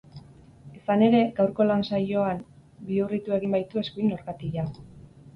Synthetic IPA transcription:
esane̞ɾe̞ɡawɾko̞lansajo̞am | biurit̪ue̞ɣimbajt̪ue̞skuino̞ɾɣat̪iʝa

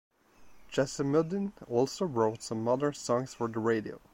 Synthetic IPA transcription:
d̥d͡ʒ̥ɛsəmʊdə̃nɔlˠsoʊɹoʊtsʌ̃mːʌðə˞sɔ̃ŋsfə˞ðəɹeɪɾio̰ʊ

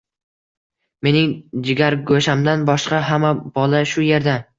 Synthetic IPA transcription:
me̞nɪŋd͡ʒɪɡʲaɾɡoʃamd̪anbɒʃqɑɦamab̥ɒlaʃʊje̞ɾd̪a

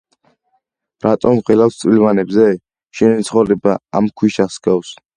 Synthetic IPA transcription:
ɾat̪ʼɔmχɛlafst̪sʼwilvanɛbzɛ | ʃɛnit̪sʰχɔvɾɛbaamkʰwiʃasɡafs

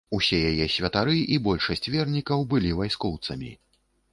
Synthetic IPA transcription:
usʲɛjajɛsʲvʲɐt̪aɾɨʔibɔlʲʂɐsʲt͡sʲvʲɛrnʲikɐwbɨlʲivajskɔwt̪sɐmʲḭ

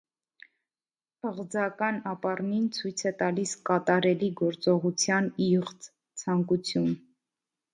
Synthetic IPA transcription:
əʁd͡zɑkɑnɑpɑrnint͡sʰujt͡sʰɛt̪ɑliskɑt̪ɑɾɛliɡɔɾt͡sɔʁut͡sʰjɑniʁt͡s | t͡sʰɑŋkut͡sʰjun

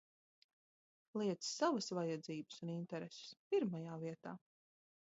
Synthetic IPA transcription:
lˠiɛt̪ssːavəsvajad̪ziːbə̥sunint̪ɛɾesɪ̥spiɾmajaːviɛt̪aː

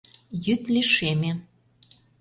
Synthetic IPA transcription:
jyt̪liʃemʲe

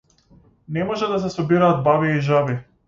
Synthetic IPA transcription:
nɛmɔʒɛd̪as̬ɛsɔbiɾaːd̪̚baviɛiʒabi

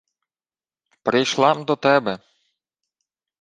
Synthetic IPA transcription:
pɾɪjʃlˠɑmd̪ɔt̪ɛbɛ

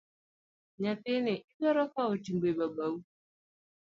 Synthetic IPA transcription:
ɲateneʔikɔɾɔkaotiŋɡ͡bebaɡ͡bau

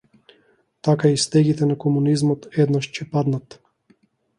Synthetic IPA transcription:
t̪akaist̪ɛɡʲit̪ɛnakɔmunizmɔt̪ɛd̪naʃt͡ɕɛpad̪nat̪

